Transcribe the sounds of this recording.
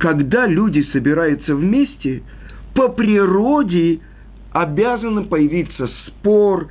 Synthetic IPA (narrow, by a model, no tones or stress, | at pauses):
kɐɡd̪alʲudʲɪsəbʲɪɾajʊt̪səvmʲesʲtʲɪ | pəpɾʲɪro̞dʲɪ | ɐbʲazənɨpəjɪvʲit̪səspor